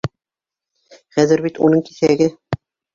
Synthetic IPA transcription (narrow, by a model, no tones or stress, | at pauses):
χæðɘɾbit̪unɤɴki̥θæɡɘ